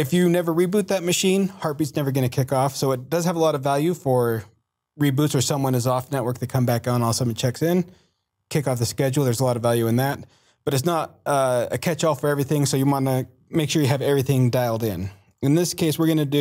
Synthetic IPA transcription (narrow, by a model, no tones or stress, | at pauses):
ɨfjɨnɛvə˞ɹibut̪̚ðɨt̚mɨʃĩnhɑɹt̚b̥itsnɛvə˞ɡʌñɨkʰɪkɔfsoʊɨt̚d̥ʌz̥əvəlɔɾʌvælˠjʉfə˞ | ɹibutsə˞sʌ̃mwʌ̃nɨzɔfnɛʔ̚wɜ˞k̚ðɨt̚kʰʌ̃mbæk̚nɔlˠsʌ̃mwʌ̃t͡ʃʰɛksɪ̃n | kʰɪkɔfðɨskɛd͡ʒl̩ˠðə˞zəlɔɾʌvælˠjʉɨ̃nðæt̚ | b̥ʌɾɨts̬nəɾʌɨ̰kʰɛt͡ʃɔfə˞ɛvɹiθɪ̃ŋsoʊjɨwɑ̃nɨ | meɪkʃʊɹjɨɨvɛvɹiθɪ̃ŋdaɪlˠdɪ̰̃n | ɨ̃nðɪskʰeɪswəɹɡʌnɨdɨ